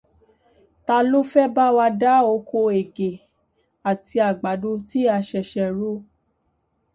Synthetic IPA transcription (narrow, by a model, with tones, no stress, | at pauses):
ta˧lo˦fɛ˦ba˦wa˧da˦o˧kʰo˧e˨ɡe˨ | a˨tʰi˧a˨ɡ͡ba˨˦do˧˦ti˦a˧ʃɛ˧˨ʃɛ˧ɾo˦